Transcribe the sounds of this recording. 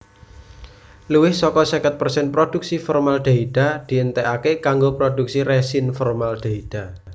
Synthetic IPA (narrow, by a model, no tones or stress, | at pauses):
luwɪhsɔkɔsəkət̪̚pərsɛnpɾod̪̥uk̚sifɔrmalɖ̪̥a̤id̪̥a̤d̪̥i̤ʔənt̪ɛʔakekaŋɡopɾod̪̥uk̚siɾɛsinfɔrmalɖ̪̥a̤id̪̥a̤